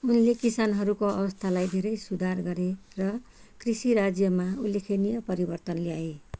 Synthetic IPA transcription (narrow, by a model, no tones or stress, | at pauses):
unlekisanɦʌɾukoʌ̰bʌst̪ʰalajd̪ʱeɾʌjsud̪ʱarɡʌɾerʌkrisiɾad͡zjʌmaulːekʰenijʌpʌɾibʌrt̪ʌnljae